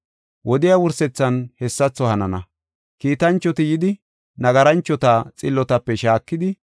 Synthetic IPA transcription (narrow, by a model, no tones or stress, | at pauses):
wʔɔd̪ɪjawʊɾsɛt͡sːɐnhɛsːɐt͡sːɔhɐnɐnɐ̰ | kiːt̪ɐnt͡ʃːɔt̪ɪjɪd̪ɪ | nɐɡɐɾɐnt͡ʃːɔt̪at͡sʼɪlːɔt̪ɐpːɛʃaːkːɪd̪ɪ